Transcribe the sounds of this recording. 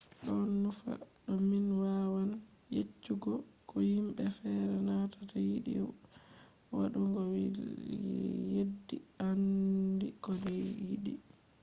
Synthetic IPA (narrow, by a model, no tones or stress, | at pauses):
ɗɔnːufa̰ɗɔminwawan | jet͡ʃːuɡɔ | kɔhimɓɛfɛɾɛnatḁtajiɗḭ | wa̰ɗuŋɡɔwi | jedːḭandikɔdɛjiɗi